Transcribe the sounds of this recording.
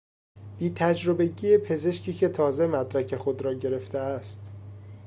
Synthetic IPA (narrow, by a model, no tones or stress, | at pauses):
b̥iːt̪ʰæd͡ʒɾo̞be̞ɟiːjepʰe̞ze̞ʃcʰiːcʰe̞t̪ʰɒːze̞mæd̪ɾæcʰe̞xo̞d̪ɾɒːɟe̞ɾe̞ft̪eæst̪